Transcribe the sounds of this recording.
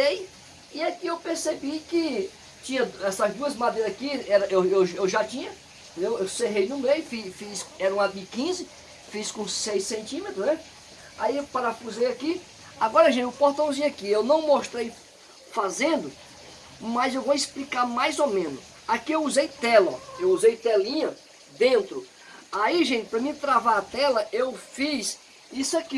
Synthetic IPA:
ej | iakiewpeɾsebikɪ | t͡ʃĩɲɐɛsɐzd̪uɐzmad̪ejɾɐzakiɛɾɐʔewewʒewʒat͡ʃĩɲɐ | t̪ẽd̪ewewseɦejnʊ̃mejʊfifisɛɾɐ̃w̃abikĩzɪ | fiskõsejsẽnt̪ĩmet̪ɾʊznɛ | aipaɾɐfuzejaki | aɡɔɾɐʒẽnt͡ʃʊpoɾt̪ɐ̃zĩɲakiewnɐ̃w̃moʃt̪ɾej | fazẽnd̪ʊ | mɐzewvoisplikaɾmajzomẽnʊs | akiewuzejt̪ɛlɐ̰ewuzejt̪ɛlĩɲɐ | d̪ẽnt̪ɾʊ | aiʒẽt͡ʃ̪ɪ̥pɾɐmĩt̪ɾavaɾat̪ɛlɐʔewfis | isʊaki

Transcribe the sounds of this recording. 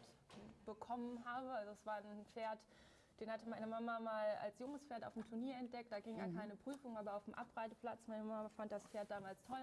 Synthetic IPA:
tb̥əkʰɔmənɦaːbəalzoɛsv̥aːɐnfeːɐt | d̥eːnhatəmaɪnəmamamaːla̰lsjʊŋəsfeːɐta̰ʊfm̩tʰuɐniːɐɛnt̚d̥ɛk̚td̥aːɡɪŋjaːkʰaɪnəpʁ̥yːfʊŋaːbɐaʊfm̩ʔa̰pʁ̥aɪzəpl̥at͡smaɪnəmamafant̚d̥asfeːɐt̚d̥aːmaːlstʰɔl

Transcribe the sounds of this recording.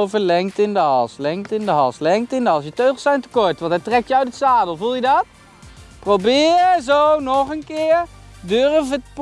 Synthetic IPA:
vəlɛŋktɪndəɦɑlˠslɛŋktɪndəɦɑlˠslɛŋk̚tɪndəɑlˠs̬jətøɥχlˠsɛjntəkɔɹtʋɑ̃ntɦɛjtrɛk̚jəœɥtətsaːdəl̩ˠvulˠjədɑt̚ | prowbɪːɹzownɔχənkɪːɹ | dørvətp

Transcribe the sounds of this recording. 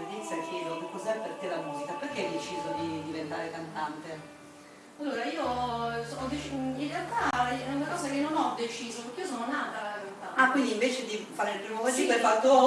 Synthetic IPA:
id̪ɛnt̪sakjɛːd̪okekːɔzɛpːert̪elːamuːzikapeɾkeajd̪et͡ʃiːzod̪id̪ivent̪aːɾekant̪ant̪e | alːoːɾaiːosɔːnɔd̪et͡ʃinrealt̪aɛunakɔːzakenːonɔd̪et͡ʃiːzopeɾkːeiːos̬oːnonaːt̪alait̪ːaakwind̪iɱveːt͡ʃed̪ifaːɾelpɾiːmokoszipelfat̪ːo

